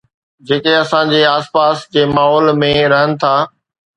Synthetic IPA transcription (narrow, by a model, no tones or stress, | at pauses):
d͡ʑeːkeɐsãd͡ʑeːaːspaːsd͡ʑeːmaːɦɔːlmẽɾɐɦənɪ̆t̪ʰaː